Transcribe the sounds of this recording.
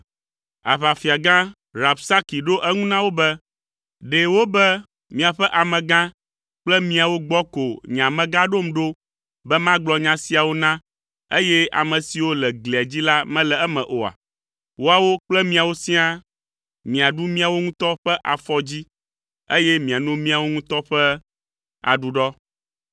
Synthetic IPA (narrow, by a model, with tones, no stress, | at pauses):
a̰˨βa˨fi˨a˨ɡã˦ | ɾa˨bsa˦ki˨ɖo˦ʔɛ˦ŋũ˦nã˦wo˦bɛ˦ | ɖe˨wo˦bɛ˦ | mĩ˦a˨ɸɛ˦ʔa˨mɛ̃˨ɡã˦ | k͡plɛ˦mĩ˨a˨wo˦ɡ͡bɔ˦ko˨ɲã˨mɛ̃˨ɡã˦ɖo˦m̩˨ɖo˦ | bɛ˦mã˦ɡ͡blɔ˨ɲã˨si˦a˨wo˦nã˦ | e˦jɛ˦a̰˨mɛ̃˨si˨wo˦lɛ˨ɡlɛ˨a˨d͡ʑi˦la˦mɛ̃˦lɛ˨ɛ˦mɛ̃˨ʔo˨a̰˨ | wo˦a˨wo˦k͡plɛ˦mĩ˦a˨wo˦si˦a˦ | mĩ˨a˨ɖu˦mĩ˦a˨wo˦ŋũ˦t̪ɔ˦ɸɛ˦ʔa˨fɔ˦d͡ʑi˦ | e˦jɛ˦mĩ˨a˨nũ˦mĩ˦a˨wo˦ŋũ˦t̪ɔ˦ɸɛ˦ | a̰˨ɖu˨ɖɔ˦